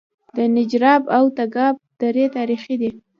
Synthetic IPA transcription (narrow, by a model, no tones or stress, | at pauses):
d̪̥ənɪd͡ʒɾɑbawt̪aɡɑb̚d̪̥aɾet̪ɑɾixid̪i